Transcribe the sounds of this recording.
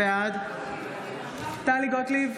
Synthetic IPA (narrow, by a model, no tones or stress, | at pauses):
ad̪ | t̪aliɡɔtli